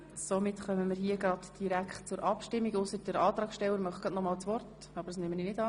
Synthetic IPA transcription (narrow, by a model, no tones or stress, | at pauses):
somɪtχœməməɾɦiəɡɾɑd̥d̥iɾækχtt͡sʊɾʔɑpʃtɪmːiɡʊsəɾdəɾɑːt̪ɾɑːksʃtɛwːəɾmœχɡɾɑdnɔmɑːlt͡sʋɔrt | ɑbəd̥ɑsnɪməninɪdɑː